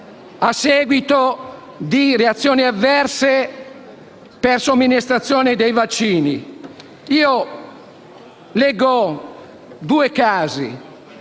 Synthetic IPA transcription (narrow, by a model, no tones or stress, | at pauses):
asːɛːɡwit̪o | d̪ireat̪sːjoːniavːɛrse | persomːinist̪ɾat̪sːjoːned̪ejvat͡ʃːiːni | iːo | lɛːɡo | d̪uːekaːzḭ